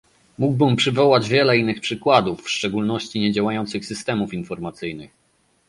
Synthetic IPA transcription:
muɡ̚bɘmpʂɘvɔwad͡ʑvʲjɛlɛinːɘxpʂɘkwad̪ufːʂt͡ʂɛɡulnɔɕt͡ɕiɲɛd͡ʑawajɔnt̪sɘxsɘst̪ɛmufinfɔɾmat̪sɘjnɘx

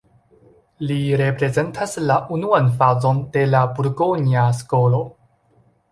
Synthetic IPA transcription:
liɾe̞pɾe̞zentʰaslaʔunuanfazo̞nde̞labuɾɡoniaskolo̞

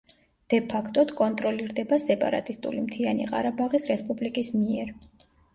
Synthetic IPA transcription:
d̪̥ɛpʰakʰt̪ʼɔd̪kʼɔnt̪ʼɾɔliɾd̪ɛbasɛpʼa̰ɾa̰t̪ʼist̪ʼṵlimt̪ʰianḭqʼa̰ɾabaʁisɾɛspʼublikʼismiɛɾ

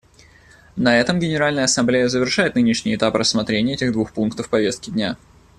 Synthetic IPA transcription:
nɐɛt̪əmɡʲɪnʲɪɾalʲnəjəɐsɐmblʲejəzəvʲɪrʂajɪt̪nɨnʲɪʂnʲɪjɪt̪aprʔəsmɐt̪ɾʲenʲɪjəɛtʲɪɣd̪vuxpunkt̪əfpɐvʲe̞st̪kʲɪdʲnʲa

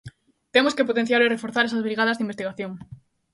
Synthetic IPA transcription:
t̪emoskepot̪ẽn̟θjaɾerefoɾθaɾesazβɾiɣaðɐzðimbest̪iɣaθjoŋ

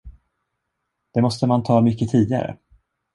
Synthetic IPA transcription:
d̪̥ɛmɔst̪əmant̪ʰɑːmʏkːət̪ʰiːd̪ɪa̰ɾə̰

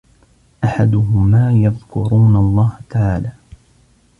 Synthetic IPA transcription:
ʔaħad̪ʊɦʊmaːjaðkʊɾuːnalˤːɑːht̪aʕaːlaː

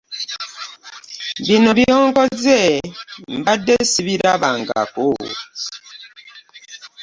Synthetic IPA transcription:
binɔbiɔŋɡɔd͡zɛm̩badesibiɾaba̰ŋɡa̰koː

